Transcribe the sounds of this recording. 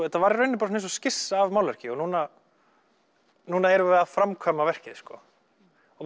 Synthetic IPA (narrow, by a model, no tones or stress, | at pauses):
ɛt̪ːavaːɾɪɾœɥjnːɪp̬aɾsnens̬ɔscɪsːaːvmaːwlɛr̥cɪɔɣnuːna | nuːnaɛɾʏvɛðaðfɾamkʰvaːmavɛr̥cɪðɪskɔ | ɔ